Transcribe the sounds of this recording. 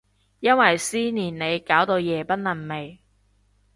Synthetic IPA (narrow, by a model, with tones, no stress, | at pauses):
jɐ˥nwɐ˨jsiː˥niː˨˩nne˨˧jkaː˨˥wt̪o˧wjɛː˨˩pɐ˥t̚nlɐ˨˩nme˨j